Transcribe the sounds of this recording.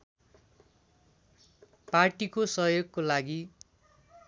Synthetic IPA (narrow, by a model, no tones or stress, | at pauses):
parʈikosʌɦjoɡ̚kolaɡi